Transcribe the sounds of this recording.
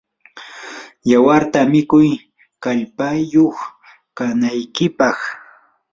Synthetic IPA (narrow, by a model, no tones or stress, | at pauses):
jawaɾt̪amɪkʊj | kaʎpajoχ | kanajkɪpɑχ